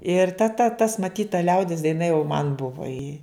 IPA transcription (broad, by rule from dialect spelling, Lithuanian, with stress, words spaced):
ɪr tɐ tɐ tɐs mɐˈtʲiːt tɐ ˈlʲɛʊdʲɪs dɐɪˈnɐ jɛʊ mɐn ˈbʊʋɐ ɪ